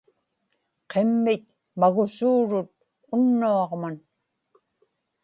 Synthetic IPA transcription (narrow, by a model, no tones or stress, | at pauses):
qʰemːɪt̪̚ | maɣʊsuːɻʊt̪̚ | ʊnːuɑʁman